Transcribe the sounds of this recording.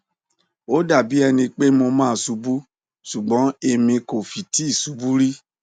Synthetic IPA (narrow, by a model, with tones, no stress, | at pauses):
o˨˦da˦˨bi˨˦ɛ˧nĩ˧k͡pe˦mo˧mãː˦˨˧su˧bu˦ | ʃu˨ɡ͡bɔ̃˨˦e˧mĩ˧ko˨fi˨ti˨˦i˦˨su˨˧bu˦ɾi˦